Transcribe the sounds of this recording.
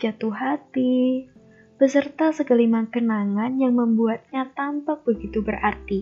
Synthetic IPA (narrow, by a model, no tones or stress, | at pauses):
d͡ʒat̪uɦat̪i | b̥əsərt̪asəkəlimaŋkənaŋanjaŋməmbuat̪̚ɲat̪ampak̚bəɡit̪ubərʔart̪i